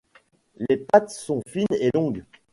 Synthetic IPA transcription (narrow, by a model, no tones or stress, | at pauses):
lepat̪sɔ̃finelɔ̃ɡ